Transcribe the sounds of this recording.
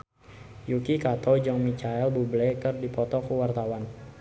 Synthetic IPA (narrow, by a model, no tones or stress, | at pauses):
jukikat̪ɔd͡ʒɔŋmit͡ʃaɛlbublɛkərdipɔt̪ɔkuwart̪awan